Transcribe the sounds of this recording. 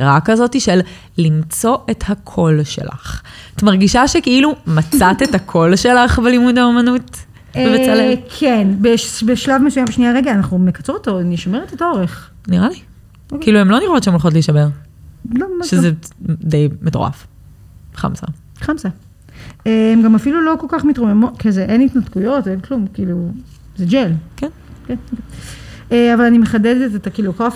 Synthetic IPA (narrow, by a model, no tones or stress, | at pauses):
ʁakazo̞tiʃelː | imt͡so̞ʔe̞thakʰo̞lʃḛla̰χtmaʁɡiʃaʃekiilumat͡satethakʰo̞lʃe̞laχbelimudaomanut | evet͡salekʰenbebeʃlavmesujambeʃnijaʁeɡaːnaχnumekat͡suotoniʃameʁet̪ataoʁeχ | niʁali | okkiiluemlo̞niʁotʃeemolχo̞t̬liʃameʁ | lomoʃezzed̪ejmetoʁa̰f | χa̰msa̰ | χamsa | eemɡamafilulo̞ko̞lkaχmitʁomemokezeʔenit̪natkujo̞toevklumkiːlu | zed͡ʒelken | kenke | eavalanimeχadedetetakilokaf